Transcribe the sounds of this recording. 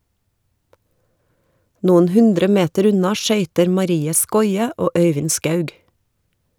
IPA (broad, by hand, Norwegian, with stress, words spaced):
ˈnuːən ˈhʉndɾə ˈmeːtəɾ ˈʉnɑ ˈʃœʏtəɾ mɑˈɾiːə ˈskɔʏə ˈoː ˈœʏʋɪn ˈskɑʉɡ